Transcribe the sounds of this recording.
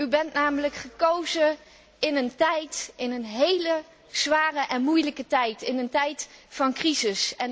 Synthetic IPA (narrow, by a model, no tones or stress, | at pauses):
ybɛntnaːmələkχəkowzə | ɪnəntɛjtɪnənɦejlə | z̥ʋaːrəʔɛnmujləkətɛjtɪnəntɛjtfɑnkrizɪsɛn